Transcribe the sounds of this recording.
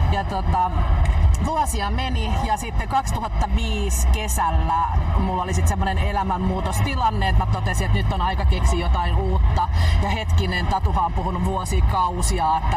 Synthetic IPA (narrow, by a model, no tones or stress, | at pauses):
jɑt̪ot̪ɑ | ʋuosiɑmenijɑsit̪ːeŋkɑkst̪uhɑt̪ːɑʋiːskesælːæmulːolisit̪semːonenelæmæmːuːt̪ost̪ilɑnːeet̪mæt̪ot̪esiet̪nyt̪ːonɑikɑkeksiːjot̪ɑinuːt̪ːɑjɑhet̪kinent̪ɑt̪uhɑompuhunuʋʋuosiːkɑusiɑːet̪ːæ